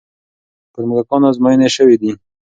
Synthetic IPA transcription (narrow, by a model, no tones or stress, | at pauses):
pəɾməɡakɑnazmɑjəneʃəwid̪i